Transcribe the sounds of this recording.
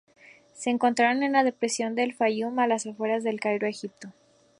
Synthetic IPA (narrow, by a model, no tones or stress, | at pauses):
se̞ːŋko̞nt̪ɾaɾonenlað̞e̞pɾe̞sjo̞nd̪e̞lfajumalasafwe̞ɾazðe̞lkajɾoexip̚t̪o̞